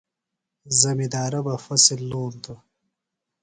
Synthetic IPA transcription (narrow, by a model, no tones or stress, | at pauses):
zɐmid̪aːɾɐbɐfɐsilːuːnt̪u